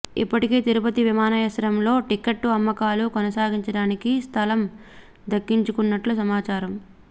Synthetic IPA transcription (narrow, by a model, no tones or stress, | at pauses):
ḭpːɐʈike̞ːt̪iɾupɐt̪iʋimaːnɐjɐsɐɾɐmlo̞ːʈikeʈːuɐmːɐkaːlukɔnɐsaːɡiɲt͡ʃɐɽaːnikist̪ʰɐlɐm | d̪ɐkːiɲt͡ʃukunːɐʈlus̬ɐmaːt͡ʃaːɾɐm